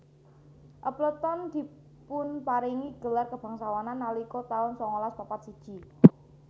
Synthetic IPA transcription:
ʔəplət̪ɔnd̪̥i̤ | pʊnpaɾiŋiɡ̥ə̤larkəb̥a̤ŋsawananːalikɔt̪aʊnsɔŋolaspapat̪sid̥ʒ̥i

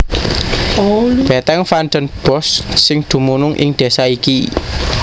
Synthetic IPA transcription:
b̥ɛt̪ɛŋfandənb̥ɔ̤sːɪŋd̪̥ṳmunʊŋʔɪ̰ŋd̪̥e̤saiki

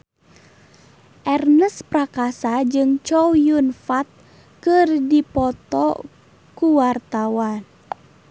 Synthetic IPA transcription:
ʔɛrnəsprakasad͡ʒɨŋt͡ʃɔwjunfat̪̚ | kɨrdipɔt̪ɔ̰ | kuwart̪awan

